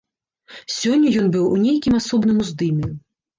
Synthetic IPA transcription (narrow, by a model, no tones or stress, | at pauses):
sʲɔnʲːɐjɔnbɨwunʲejkʲimasɔbnɨmuzd̪ɨmʲiju